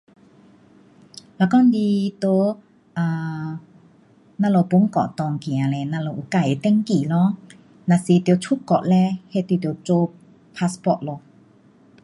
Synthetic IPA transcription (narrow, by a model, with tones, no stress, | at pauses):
la˧˨kɔ˥ndi˧t̪o˧˦ | ʔa˧˩ | na˧˨lɔ˧˩pu˧˦ŋkɔ̰˨ʔt̪ɔ˧ŋki˨ã˨lɛ˧˨na˧lɔ˧˨ʔu˧˩ka˧˩˨t̪ɛ˧˥ŋki˨˩lɔ˧˦ | na˧˨si˧t̪jo˧t͡sʰu˥kɔ̰˨ʔ̚lɛ˧he˧˨t̪u˧˩t̪jo˧˩t͡so˧ | pʰa˧spɔ˧˨ʔ̚lɔ˧